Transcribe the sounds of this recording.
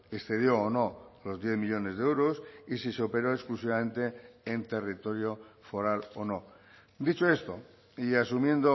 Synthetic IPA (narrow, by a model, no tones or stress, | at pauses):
eksθe̞ð̞jo̞ːno̞lo̞zðjeθmiʎo̞ne̞zðeewɾosisiseope̞ɾoesklusiβamẽ̞nt̪e̞ːnt̪e̞rit̪o̞ɾjo̞fo̞ɾalono̞ | d̪it͡ʃo̞e̞st̪o̞̰ | ias̬umjẽ̞nd̪o